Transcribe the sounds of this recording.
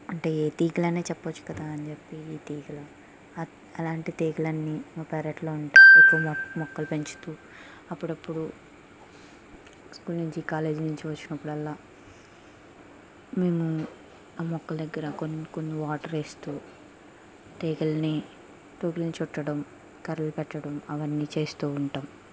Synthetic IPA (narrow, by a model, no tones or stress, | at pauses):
ɐɳʈe̞eːt̪iːɡɐlɐne̞ːt͡ʃɛpːɐt͡ʃːu̥kɐd̪aːɐnit͡ʃepːiːt̪iːɡlɐ | ɐlaːɳʈit̪eːɡɐlɐnːimaːpɛːɾɐʈlo̞ːuɳʈajɐpːumɔkːɐlupe̞ɲt͡ʃi̥t̪uː | ɐpːuɽɐpːuɽu | skuːlnuɲt͡ʃikaːle̞ːd͡ʒnuɲt͡ʃiʋɐt͡ʃːinɐpːuɽɐlːaː | meːmu | aːmɔkːɐld̪ɐɡːɐɾɐkonkonːiʋaːʈɐɾe̞ːst̪uː | t̪eːɡɐlni | t̪oːɡilnit͡ʃɔʈːɐɽɐm | kɐɾɐlupɛʈːɐɽɐmɐʋɐnːit͡ʃeːst̪uːuɳʈaːm